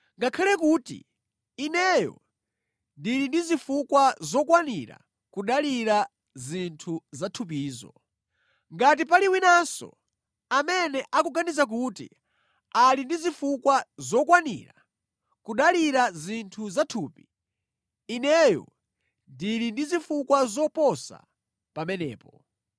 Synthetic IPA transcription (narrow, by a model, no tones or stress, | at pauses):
ŋɡakʰalɛkuːtḭ | inɛjɔ̰ | ndiɾindizifukwazɔkwanḭɾa̰ | kuɗaliɾa | zintʰuzatʰup̬iːzɔ̰ | ŋɡat̬ipaliwinasɔ̰ | amɛnɛʔakuɡanizak̬uːtḭ | alindizifukwazɔkwanḭɾa̰ | kuɗaliɾazintʰuzatʰuːpiː | nɛjɔ̰ | ndiɾindizifukwazɔpɔsa̰ | pamɛnɛ̰ːpɔ